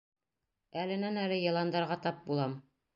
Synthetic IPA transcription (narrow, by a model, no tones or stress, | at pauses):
ælɘ̆nænælɘjɑ̆lˠɑnd̪ɑɾʁɑt̪ɑp̚bulˠɑm